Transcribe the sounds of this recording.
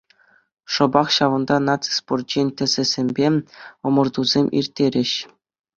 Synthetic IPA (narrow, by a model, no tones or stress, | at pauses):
ʂɤ̆bɑχɕɑʋɤ̆nd̪ɑnɑt̪t͡si̥sport̪̚t͡ɕenʲtʲɘ̆z̥ʲɘ̆zʲemʲbʲeɤ̆mɤ̆rd̪uzʲemʲʔḭrʲtʲːeɾʲɘ̆ɕ